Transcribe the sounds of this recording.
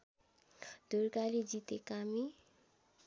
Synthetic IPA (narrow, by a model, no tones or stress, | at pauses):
d̪̥ʱurkaɾid͡zit̪ekami